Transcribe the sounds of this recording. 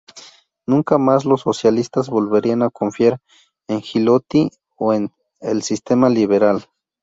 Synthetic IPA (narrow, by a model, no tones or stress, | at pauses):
nũŋkamaslosːosjalist̪azβolβeɾianakoɱfjaɾ | eŋxilot̪i | oen | elsist̪emaliβeɾal